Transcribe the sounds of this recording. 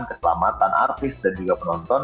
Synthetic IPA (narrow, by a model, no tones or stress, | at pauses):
nkəsəla̰mat̪anʔa̰rt̪ɪsdand͡ʒuɡapənɔnt̪ɔn